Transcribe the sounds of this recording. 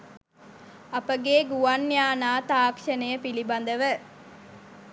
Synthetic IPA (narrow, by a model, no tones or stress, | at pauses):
ɐpəɡeːɡuɐnːjaːnaːt̪aːkʃɐnɐjəpilibɐnd̪əʋə